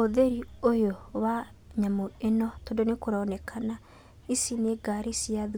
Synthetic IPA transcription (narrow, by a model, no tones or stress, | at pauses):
oðeɾiojowa | ɲamoenɔtondonekoɾaɔnɛkʰana | isineɡaɾisiað